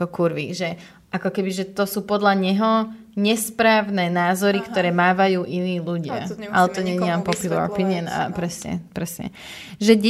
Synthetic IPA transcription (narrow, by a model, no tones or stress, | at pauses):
ɔkuɾʋiʒɛ | ʔakɔkɛbiʒɛt̪ɔsuːpɔd̪laɲɛɦɔ | ɲɛspɾaːʋnɛːnaːzɔɾikt̪ɔɾɛːmaːʋajuːʔiniːluɟɪa̰a̰lɛt̪ɔɲɛɲiampɔpjulˠa̰ɾɔ̰pinɪɔna̰pɾɛsɲɛ̰pɾɛsɲɛ̰ | ʒɛɟ